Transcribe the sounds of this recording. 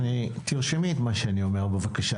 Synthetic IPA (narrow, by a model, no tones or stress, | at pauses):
nit̪iʁʃimiːt̪maʃeanio̞me̞ʁbevakaʃa